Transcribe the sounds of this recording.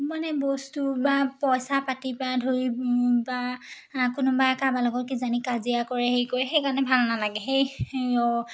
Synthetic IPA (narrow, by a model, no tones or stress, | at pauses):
manɛbɔstubapɔjsapatibadʱoɹiba | kʊnubakabalɔɡɔtkizanikazijakɔɹɛhejkojxejkanɛbʱalnalaɡɛɦejɔ